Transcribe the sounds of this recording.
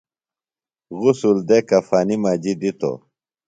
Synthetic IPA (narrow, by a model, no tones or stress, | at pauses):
ɣusuld̪ekɐfaːnimaːd͡ʑid̪it̪o̰